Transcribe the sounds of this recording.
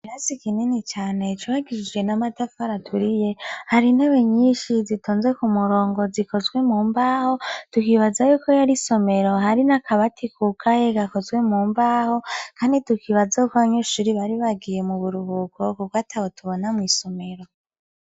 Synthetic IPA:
iɾazikininit͡ʃaːne̞t͡ʃuβaɡiɾid͡ʒɡe̞namatafaɾatʰuɾije̞haɾinaβeɲiːnʃizitʰoːnzwe̞kumuɾo̞ːŋɡo̞ziko̞zɡwe̞muːmbaːho̞tukiβazajuːko̞jaɾiso̞me̞ɾo̞haɾinakʰaβatʰikʰukʰajeɡako̞zwe̞muːmbaːho̞kʰaːnditukiβazaukoβaɲeʃuɾiβaɾiβaɡije̞muβuɾuhukʰo̞kukoatʰahotʰuβo̞namwiːso̞me̞ɾo̞

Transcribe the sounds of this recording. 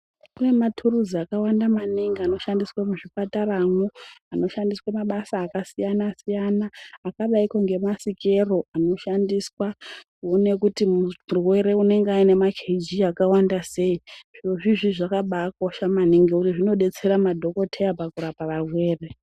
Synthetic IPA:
kune̞matʰuruziakawandamaniŋɡeano̞ʃandiswamuʐipataɾaːmuano̞ʃandiswamaɓasaːkasijanasijanaːkaɓaikoŋɡemasike̞ro̞ʔano̞ʃandiswa | one̞kutimumurwe̞ɾe̞une̞ŋɡeaine̞makʰed͡ʒiakawandase̞iʐ̥iroʐiʐiʐakaɓaːko̞ʃamaniŋɡeuriʐino̞ɗe̞t͡se̞ɾamadʱo̞ko̞tʰejapakuɾapaʋarwe̞ːre̞

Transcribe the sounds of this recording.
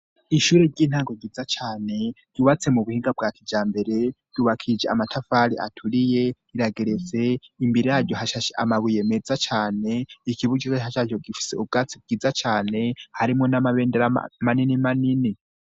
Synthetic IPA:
iʃuɾeɾɟiːn̥haːŋɡo̞ɡid͡zat͡ʃaːne̞ɟ̥uβat͡se̞muβuhiːŋɡab̚ɡaːtʰid͡ʒaːmbe̞ɾe̞ | d̥uβakʰid͡ʒea̰matʰafaɾḭʔa̰tʰuɾije̞iɾaɡeɾet͡se̞imbiɾejaɾɟoɦaʃaʃea̰maβuje̞me̞d͡zat͡ʃaːne̞ikiβuɟiahaʃaoɡifi̥sḛub̚ɡaːt͡sib̚ɡiːd͡zat͡ʃaːne̞haɾimŋo̞namaβeːndeɾa̰maninimanini

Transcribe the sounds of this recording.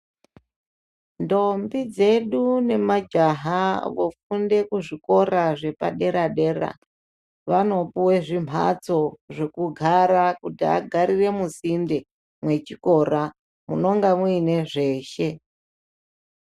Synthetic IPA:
ndo̞mbid͡ze̞ɗune̞mad͡ʒaɦaʋo̞funde̞kuʐiko̞ɾaʐe̞pa̰ɗe̞ɾaɗe̞ra̰ | ʋano̞puwe̞ʐim̤a̰t͡so̞ʐekuɡʱaɾakutia̰ɡʱaɾire̞musinde | mwe̞t͡ʃiko̞ɾa | muno̞ŋɡamwuine̞ʐe̞ːʃe̞

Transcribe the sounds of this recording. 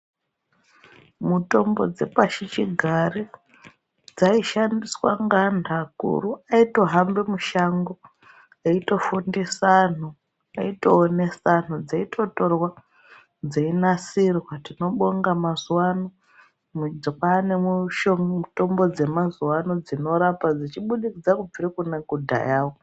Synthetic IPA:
muto̞mbo̞̰d͡ze̞paʃit͡ʃiɡʱare | d͡zaiʃandiswa̰ŋɡandʱakṵruaito̞ɦambemuʃaŋɡo̞ | aito̞fundisan̤u | aito̞ːne̞san̤ud͡zaitʰo̞to̞rwa | d͡zeinasirwatino̞ɓoŋɡamazuwano | mud͡zokwaneuʃouto̞mbo̞d͡ze̞mazuwanod͡zino̞ɾapad͡zit͡ʃiɓuɗikid͡zakub͡virekunaɡudʱa̰jaːwo

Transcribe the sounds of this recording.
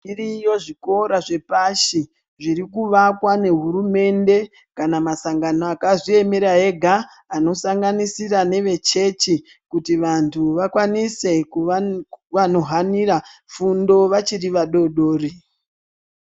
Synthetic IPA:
irijo̞ʐiko̞ɾaʐe̞paʃi | ʐiɾikuʋakwane̞ɦuɾume̞nde̞ | kanamasaŋɡanoakaʐie̞meɾae̞ɡʱaː | no̞saŋɡanisirane̞ʋe̞t͡ʃe̞t͡ʃi | kutiʋantʰuʋakwanise̞k | ʋano̞ɦanirafundo̞ʋat͡ʃiriʋaɗo̞ɗo̞ːri

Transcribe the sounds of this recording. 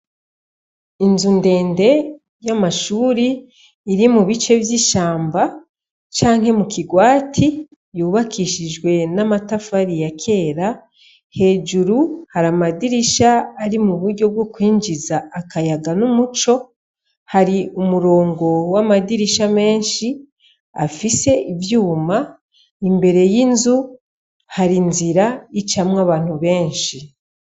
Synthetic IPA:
inzunde̞ːnde̞ | jamaʃuːɾiː | ɾimuβit͡ʃe̞vjiʃaːmba | t͡ʃaːŋhe̞mukiɡwaːtʰi | juːβakʰiʃid͡ʒɡwe̞namatafaɾijakʰe̞ːɾa | he̞ːd͡ʒuɾuhaɾamadiɾiʃaːɾimuβuɾɟo̞b̚ɡokwiːɲd͡ʒizaːkajaɡanumut͡ʃo̞ | haɾiumuɾo̞ːŋɡo̞wamadiɾiʃame̞ːnʃi | a̰fise̞ʔivjuːma | imbe̞ɾe̞jinzu | haɾinziɾait͡ʃamŋaβaːn̥uβe̞ːnʃi

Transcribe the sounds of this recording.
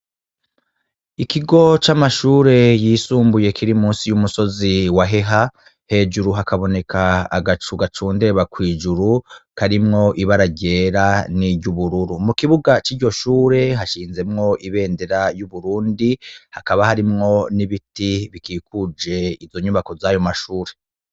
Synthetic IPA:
ikiɡo̞t͡ʃamaʃuːɾe̞jiːsuːmbuje̞kʰiɾimuːnsijumuso̞ziwaɦe̞ɦa | he̞ːd͡ʒuɾuɦakaβo̞ne̞kʰa̰ːɡat͡ʃuɡat͡ʃuːnde̞βakwiːd͡ʒuɾukaɾimŋo̞ʔiβaɾaɟe̞ːɾaniɟuβuɾuɾumukiβuɡat͡ʃiːɾɟo̞ʃuːɾe̞ɦaʃiːnze̞mŋo̞ʔiβe̞ːndeɾajuβuɾuːndihakaβahaɾimŋo̞niβitiβikiːkud͡ʒe̞izo̞ɲuβako̞zajo̞maʃuːɾe̞

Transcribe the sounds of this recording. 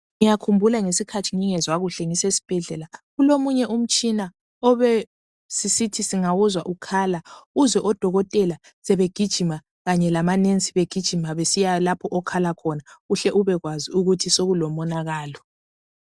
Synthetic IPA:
ŋijakʰumbʱulaŋesikʰatʰiŋiŋɛzwaɣuɬɛŋisesi̥b̥ʱɛɮɛlaɣulomuɲɛʔum̩t͡ʃʼina | ɔβɛ | sisitʰisiŋawuzwaʔukʰaːlauzwɛʔɔd̥ʱɔɣɔtʼɛla | sɛβeɡ̥ʱid̥ʒ̥ʱima | ɣaɲɛlamanent͡sʼi̥βeɡ̥ʱid̥ʒ̥ʱimaβesijalapʰɔʔɔkʰalakʰɔnaɣuɬɛʔuβɛɣwaziuɣutʰisoɣulɔmɔnaɣaːlɔ

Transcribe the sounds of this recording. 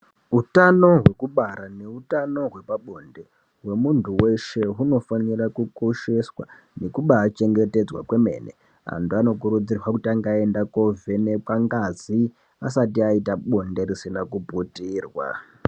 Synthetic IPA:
utano̞ɦwe̞kuɓaɾane̞utano̞ɦwe̞paɓo̞nde̞ | ɦwe̞muntuwe̞ʃe̞ɦuno̞fanirakukoʃe̞swa̰ | ne̞kuɓaːt͡ʃe̞ŋɡe̞te̞d͡zwa̰kwe̞me̞̰ːnḛ | a̰ntuano̞k̬uɾud͡zirwakutiaŋɡae̞ndako̞vʱene̞paŋɡazi | asatiaitaɓo̞nde̞risinakubʱutiːrwa̰

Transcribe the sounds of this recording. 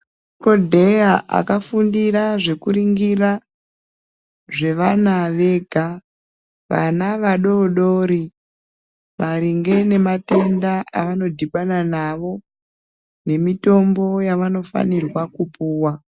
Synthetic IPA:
ko̞dʱe̞jaʔa̰kafundiɾaʐe̞kuɾiŋɡira | ʐe̞ʋanaʋe̞ɡʱa | ʋa̰naʋaɗo̞ɗoɾi | maɾiŋɡe̞ne̞mate̞ndaʔaʋano̞dʱiɓananaʋo̞ | ne̞mito̞mbo̞jaʋano̞fa̰nirwakupuːwa

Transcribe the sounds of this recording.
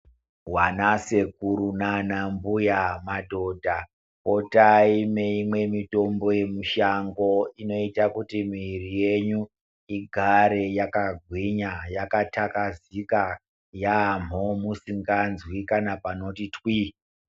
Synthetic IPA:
wanase̞kuɾunanambujamadʱo̞ːdʱa | ko̞taime̞imwe̞mito̞mbo̞je̞muʃaŋɡo̞ino̞itakutimirije̞ɲu | iɡʱaɾe̞jakaɡʱwiɲajakatakazika | jam̤omusiŋɡanzwikanapano̞titwi

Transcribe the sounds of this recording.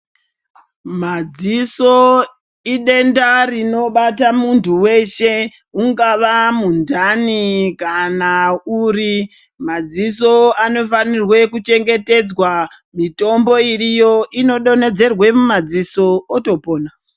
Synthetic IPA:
mad͡ziso | iɗe̞ndarino̞ɓatamuntʰuwe̞ʃe̞ | uŋɡaʋamundanikanauɾi | mad͡ziso̞ano̞fanirwe̞kut͡ʃe̞ŋɡe̞te̞d͡zwa | mito̞mbo̞irijo̞ʔino̞ɗo̞ne̞d͡ze̞rwe̞mumad͡ziso̞ːto̞po̞ːna

